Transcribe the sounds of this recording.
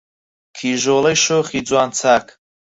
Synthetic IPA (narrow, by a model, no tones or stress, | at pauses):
kʰiʒɔlɐjʃɔχid͡zʼwant͡sʰakʰ